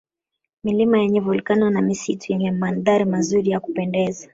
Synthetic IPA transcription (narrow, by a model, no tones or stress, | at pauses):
milimajɛɲɛvulkananamisitujɛɲɛmanðaɾimazuɾijaku̥pɛndɛza